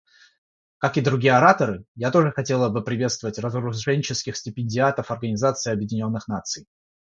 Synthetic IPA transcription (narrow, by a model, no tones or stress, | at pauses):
kakɨd̪ɾʊɡʲijəɐɾat̪əɾɨjat̪o̞ʐɨxɐtʲe̞lˠəbɨpɾʲɪvʲet̪st̪vəvətʲrəzəɾʊʐɛnʲɪt͡ɕɪskʲɪxsʲtʲɪpʲɪnʲdʲɪat̪əfɐrɡənʲɪzat̪sɨɪɐbjɪdʲɪnʲo̞nːɨxnat̪sɨj